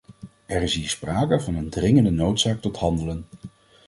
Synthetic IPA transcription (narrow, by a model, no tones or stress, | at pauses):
ɛrɪsɦiːɹspraːkəvɑnəndrɪŋəndənowtsaːk̚tɔtɦɑndələn